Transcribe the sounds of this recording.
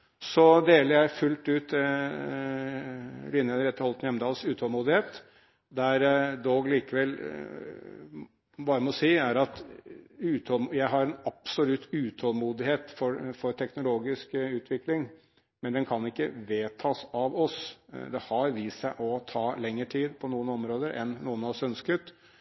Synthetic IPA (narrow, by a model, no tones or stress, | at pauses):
sɔd̪eːləɾjæfʉlt̪ʉːt̪ | lɪnːəəɾɛt̪ːəɾhɔlt̪njɛməd̪ɑːlsʉːt̪ʰɔlmuːd̪ɪheːt̪ | d̪æɾd̪oːɡliːkəʋɛlː | bɑːɾəmɛɔsiːæɾɑt̪ | ʉːt̪ʰɔlmjæɪɦɑɾɛnɑpsʊlʉt̪ːʉːt̪ʰɔlmuːd̪ɪheːt̪fɔɾfɔɾʈ̪ʰɛknʊloːɡɪskʉːt̪ʰʋɪklɪŋ | mɛnd̪ɛnkʰɑnɪkːə̰ʋeːt̪ʰɑːsɑʋɔsd̪ɛhɑɾʋiːsæɪʔɔt̪ʰɑːlɛŋːəʈʰiːd̪pʰɔnuːənɔmɾoːd̪əɾʔɛ̰nːuːənɑʋɔsœnskət̪